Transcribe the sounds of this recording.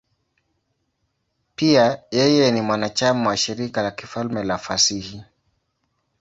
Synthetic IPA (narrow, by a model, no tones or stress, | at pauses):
piajɛjɛnimwanat͡ʃamawaʃiɾikalakifalmɛlafasihi